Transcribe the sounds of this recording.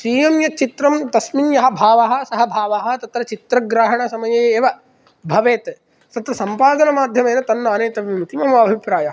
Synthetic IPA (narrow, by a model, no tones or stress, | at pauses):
siːjɐmjɐt͡ʃit̪ɾɐmt̪ɐsminjɐɦɐbʱaːʋɐɦɐ̆sɐɦɐbʱaːʋɐɦɐt̪ɐt̪ɾɐt͡ʃit̪ɾɐɡɾaːɦɐɳɐsɐmɐjɐjeeːʋɐ | bʱɐʋeːt̪ | t̪ɐt̪ʋɐsɐmpaːd̪ɐnɐmaːd̪ʱjɐmeːnɐt̪ɐnːaːneːt̪ɐʋʋimut̪imɐmɐɐːbʱipɾaːjɐɦɐ